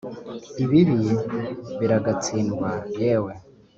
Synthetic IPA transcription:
iβiβi | βiɾaɡat͡sinɡwajeːwe

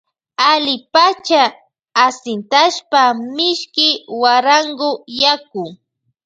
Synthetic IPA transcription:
alɪpat͡ʃaː | sɪnt̪aʃpamɪʃkɪwaɾaŋɡʊjakʊ

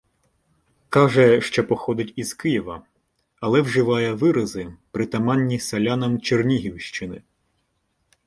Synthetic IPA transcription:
kɑʒɛʃt͡ʃɔpɔxɔd̪ɪtʲiz̥kɪjɛʋɐ | ɐlˠɛwʒɪʋɑjɛʋɪɾɐzɪpɾɪt̪ɐmɑnʲːisɐlʲɑnɐmt͡ʃernʲiɦʲiwʃt͡ʃɪnɪ

